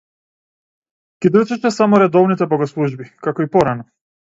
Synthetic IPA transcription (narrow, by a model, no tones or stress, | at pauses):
kʲid̪ɾ̩t͡ʃɛʃɛsamɔɾɛd̪ɔvnit̪ɛbɔɡɔslˠuʒbikakɔipɔɾanɔ